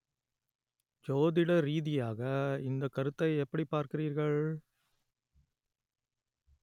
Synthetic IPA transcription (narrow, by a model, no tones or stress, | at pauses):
d͡ʒoːðɪɽɐɾiːðɪjaːɣɐɪnd̪ɐkːɐɾɯt̪ːɐɪɛpːɐɽipːaːɾkɪriːɾɣɐɭ